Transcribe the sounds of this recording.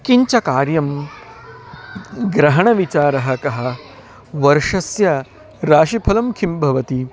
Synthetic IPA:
kiɲt͡ʃɐkaːɾjɐm | ɡɾɐɦɐɳɐʋit͡ʃaːɾɐɦɐkɐɦɐ̆ | ʋɐɾʂɐsjɐ | ɾaːʃipʰɐlɐmkʰimbʱɐʋɐt̪i

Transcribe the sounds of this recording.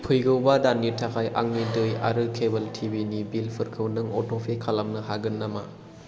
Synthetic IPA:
pʰɯjɡɯwbadanːitʰakʰajʔa̰ŋnidɯja̰ɾɯkʰebɐltʰibinibilpʰɯɾkʰɯwnɯŋo̰tʰopʰekʰalɐmnɐɦaɡɯnːama

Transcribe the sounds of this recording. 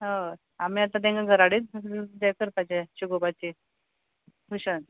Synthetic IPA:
ɦə | amiat̪ad̪ẽŋɡaɡʱəɾaɽit̪̚d̪akəɾkad͡ʑeɕuɡobat͡ɕi | kuɕən

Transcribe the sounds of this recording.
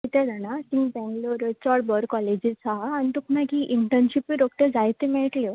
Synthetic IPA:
t̪it̪ʰɛd̪ʱanasiŋɡpɛ̃ŋɡloɾt͡sɔɽbɔɾkɔled͡ʑit͡saːnit̪ukʰnakiʔiɳʈənɕipiɾok̚ʈ̪əd͡zajt̪emɛɭʈlɔ

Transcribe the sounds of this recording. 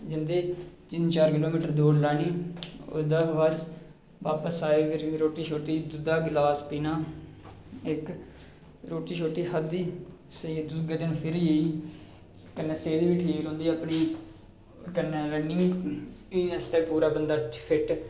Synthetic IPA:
d͡ʒɪnd̪eːt͡ʃɪnt͡ʃaːɾkɪloːmiːʈəɾd̪oːɾlaːɽiːo̰d̪aːʋaːd͡ʒ | ʋaːpəsaːiːpʰɪɾɾoːʈiːʃʰoːʈiːd̪ʊd̪aːɡlaːspiːnaː | ɪk | ɾoːʈiːʃʰoːʈiːhəd̪iː | sed̪uɡeːd̪ɪnpʰɪɾjeiː | kənːeːseːd̪iːʋiʈʰeːɾõːnd̪iːəpniː | kənːeːɾənɪŋɡiɛst̪ɛːpuːɾaːbənd̪aːpʰɪʈ

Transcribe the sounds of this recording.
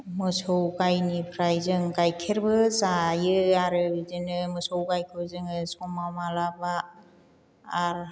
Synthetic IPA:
mɯsɔwɡajnipʰɾajzɯŋɡajkʰeɾbɯzajɯaɾɯbzɯnɯmɯsɔwɡajkʰɯwzɯŋɯsɔmamalaba | ɾ

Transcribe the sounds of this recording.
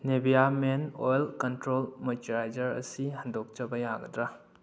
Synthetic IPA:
nebijamenojlkɐntɾolmotiɾajd͡ʒɐɾɐ̰siɦɐndok̚t͡ʃɐbɐjaɡɐdɾa

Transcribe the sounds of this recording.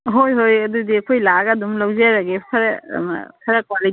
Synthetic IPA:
ɦojɦojɐdudiɐkʰojlaɡadumlawzeɾaɡetʰaɾɛ̰ma̰kʰaɾakwali

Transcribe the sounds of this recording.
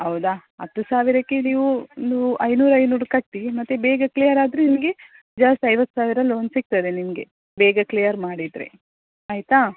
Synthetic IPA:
ɦɐwd̪aɦɐt̪ːusaːʋiɾɐkːeniːʋunːuʔɐjnuːɾɐjnuːɾukɐʈːimɐt̪ːebɛːɡɐklijɐɾaːd̪ɾenimɐɡe̞ | d͡ʒaːst̪ɐjʋɐt̪ːsaːʋiɾɐloːnsik̚t̪ɐd̪enimɡe̞ | bɛːɡɐklijɐɾmaːɽid̪ɾe̞̰ | aːjt̪aː

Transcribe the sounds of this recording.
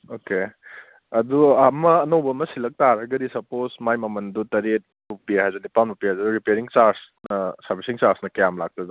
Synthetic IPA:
oke | ɐduamɐːnowbɐmɐsilɐk̚taɾɐɡɐdisɐposmajmɐmɐndutɐɾet̚bupihajzunipawnbupihajzɐduɾipeɾiŋt͡ʃaɾsnɐsɐɾbʱisiŋt͡ʃaɾsnɐkɐjamlak̚tɐdu

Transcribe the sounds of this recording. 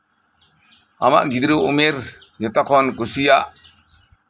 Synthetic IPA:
a̰ma̰ʔɡid̪ɾuumeɾ | ɲɔt̪ɔkʰɔnkusijaʔ

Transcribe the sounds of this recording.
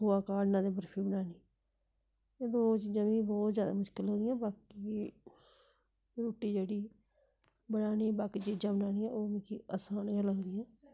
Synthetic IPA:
oːaːkaːɖnãːd̪eːbəɾpʰiːbənaːniː | eːd̪oːt͡ʃiːd͡ʒãːb̃ːkibɔːt̪zjaːd̪a̰ːmʊʃkɪloːd̪ɪjãːbaːki | ɾoːʈiːd͡ʒeːɽiː | bənaːniːbaːkiːt͡ʃiːd͡ʒãːbənaːniːɛ̃oːmĩːkiːaːsaːnɡəloɡd̪ɪjãː

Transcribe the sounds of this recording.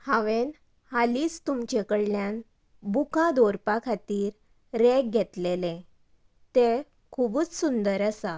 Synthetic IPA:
hãʋen | haliːst̪umt͡ɕekəɽljan | bukad̪oɾpakʰat̪iːɾ | ɾek̚ɡʱɛt̪lelẽ | t̪e | kʰubuːt͡ssund̪əɾəsa

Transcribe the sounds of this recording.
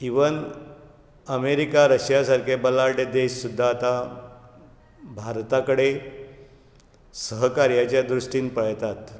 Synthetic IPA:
iʋən | əmeɾikaɾəɕjasaɾkʰebəlaɾɖed̪eɕsud̪ʱːaːt̪a | bʱaɾt̪akəɽe | səɦəkaɾjat͡ɕjad̪ɾuʂʈiːnpəɭt̪at̪

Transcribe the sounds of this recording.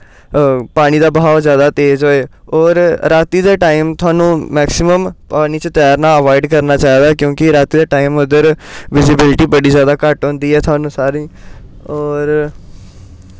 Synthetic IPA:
paːñiːd̪aːbəɦaːzjaːd̪aːt̪eːd͡ʒɦoːeːɔːɾɾaːt̪iːd̪eːʈaːimt̪ʰʊaːnũːmɛːksɪməmpaːniːt͡ʃət̪ɛjaɾnaːəʋaːɪɖkəɾnaːt͡ʃaːiːd̪aːkjõːkɪɾaːt̪iːd̪eːʈaːimʊd̪əɾʋɪzɪbɪlʈiːbəɽiːzjaːd̪aːkəʈɦõnd̪iːɦɛːt̪ʰwaːnũːsaːɾĩː | ɔːɾ

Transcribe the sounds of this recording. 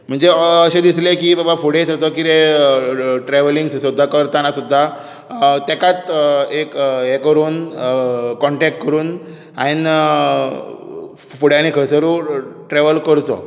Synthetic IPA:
m̤əɳd͡zeəɕẽd̪islekibabafuɽ̤esət͡sɔkiɾe | ʈɾɛʋəliŋɡssud̪ʱːakəɾt̪anasud̪ʱːa | t̪ekat̪ekɦekəɾuːn | kːɔɳʈɛk̚ʈkəɾuːn | ain | fuɽeañikʰəsəɾuʈɾɛʋəlkəɾt͡sɔ̰

